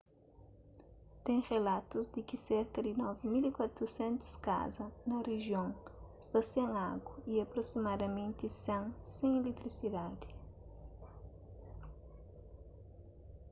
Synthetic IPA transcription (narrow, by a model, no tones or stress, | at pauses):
t̪ẽŋ̃ʁelat̪uzd̪ɪkɪsɛɾkɐd̪ɪnɔvɪmilikwat̪ɾusɛ̃nt̪ʊ̥ska̰zɐnɐreʒjõŋst̪ɐsãŋaɡwɐiɐpɾosimad̪ɐmẽnt̪ɪsãŋsẽŋ̃elet̪ɾisid̪ad̪ɪ